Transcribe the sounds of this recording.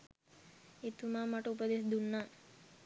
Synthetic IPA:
et̪umamaʈeupəd̪esd̪unːa

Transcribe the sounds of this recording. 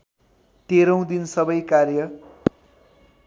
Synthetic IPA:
t̪eɾʌ̃w̃d̪insʌbʌjkarjʌ

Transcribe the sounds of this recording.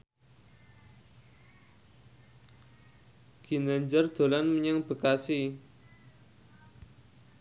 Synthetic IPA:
ɡ̥i̤naɲd͡ʒərd̪̥o̤lanməɲaŋb̥ə̤kasi

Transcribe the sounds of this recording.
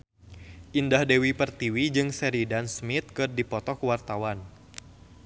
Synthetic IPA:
ʔindahdɛwipərt̪iwid͡ʒɨŋsɛɾidansmit̪̚kɨrdipɔt̪ɔkəwart̪awan

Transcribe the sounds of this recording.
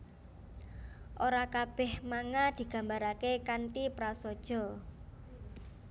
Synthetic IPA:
ʔoɾakab̥ɛhmaŋad̪̥i̤ɡ̥ä̤mbaɾakekant̪ipɾasɔd̥ʒ̥ɔ̤

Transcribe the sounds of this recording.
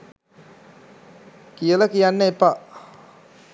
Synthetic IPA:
kijələkijanːəepa

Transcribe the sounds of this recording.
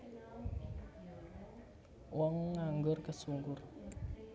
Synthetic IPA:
wʔɔŋːaŋɡʊrkəsuŋɡʊr

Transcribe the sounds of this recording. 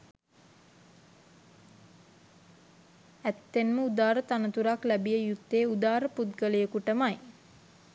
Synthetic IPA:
æt̪ːenməud̪aːɾət̪anət̪uɾaklæbijəjut̪ːeːud̪aːɾəput̪ɡələjəkuʈəmaj

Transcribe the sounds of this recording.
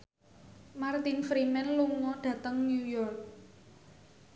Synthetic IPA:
mart̪infɾimɛnluŋɔɖ̥ä̤t̪əŋnjujɔrk̚

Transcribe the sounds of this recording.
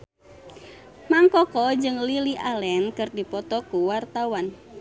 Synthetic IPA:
maŋkɔkɔd͡ʒɨŋliliʔalɛnkɨrdipɔt̪ɔkuwart̪awan

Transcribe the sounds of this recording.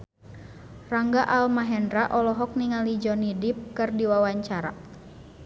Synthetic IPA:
raŋɡaʔalmaɦɛndɾaʔɔlɔɦɔk̚niŋalid͡ʒɔnidip̚kɨrdiwawaɲt͡ʃaɾa̰

